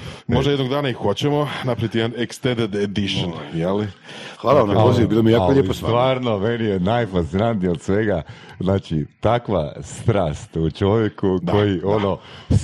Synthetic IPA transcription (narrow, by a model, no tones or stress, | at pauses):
mod̪ajed̪noɡd̪aːnaixot͡ɕemo̞napɾavit̪ijeanekst̪end̪ed̪ed̪iʃonjelixʋaːlaʋamnapoziʋubilomiejaːoʎeposʋaːɾno̞menijenajfassinant̪nijod̪sʋe̞ɡaznaːt͡ʃḭt̪akʋa̰st̪ɾaːst̪ut͡ʃo̞ʋjekukd̪o̞jiʔo̞no